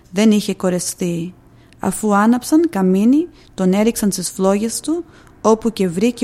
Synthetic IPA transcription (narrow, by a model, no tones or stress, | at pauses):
ðe̞niçe̞ko̞ɾe̞sθi | ɐ̰fuɐnɐpsɐnkɐmini | t̪o̞ne̞ɾiksɐnst̪isflo̞ʝe̞st̪u | o̞puce̞vɾice